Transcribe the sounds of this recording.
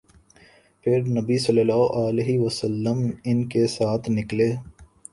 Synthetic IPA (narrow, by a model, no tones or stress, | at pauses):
pʰɪɾnɐbisɐləlaːoʔaːleɦiʋəsəlːəmɪnkesaːt̪ʰnɪkleː